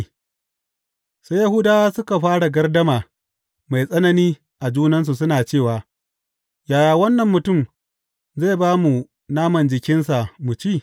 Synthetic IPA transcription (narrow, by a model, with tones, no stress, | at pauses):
sa˦ja˦ɦʊ˦daː˦waː˦sʊ˦ka˨ɸaː˦ɽa˨ɡɐ˦rdɐ˦maː˨ | ma˨jsʼɐ˦nɐ˦niː˦ | ʔa˨d͡ʒuː˦nɐ˦ns̬u˨s̬ʊ˦naː˨t͡ʃeː˦˨waː˨ | jaː˨jaː˨wɐ˦nːɐ˨mːʊ˨tʊ˦˨m | za˦˨baː˦mu˨ | naː˦mɐ˨nd͡ʒɪ˨kʲɪ˦nsa˨mu˨t͡ʃiː˦˨